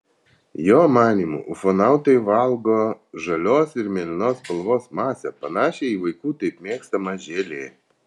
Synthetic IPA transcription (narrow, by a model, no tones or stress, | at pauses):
joːmɑːnʲiːmṵːʔʊfonɑˑʊt̪oɪʋɐlˠɡoːʒɐlʲoːsɪɾmʲeːlʲɪnoːspɐlˠʋoːsmɑːsʲɛpɐnɑːʃʲɛɪiʋɐɪkuːt̪ɐɪpmʲeːkst̪ɐmɐʒʲeːlʲeːj